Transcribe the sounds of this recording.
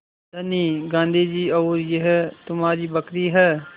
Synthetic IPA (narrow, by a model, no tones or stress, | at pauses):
dɐniːɡãːnd̪ʱid͡ʒiːɔːɾjeɦɛt̪ʊmɦaːɾibɐkɾiɦɛː